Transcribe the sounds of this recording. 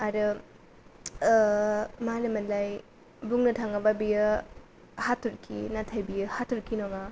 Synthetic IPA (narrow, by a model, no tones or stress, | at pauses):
aɾɯ | manɯmɐnlaj | buŋnɐtʰaŋababijɯ | hatʰuɾkʰḭnatʰajbijɐhatʰuɾkʰinɔŋa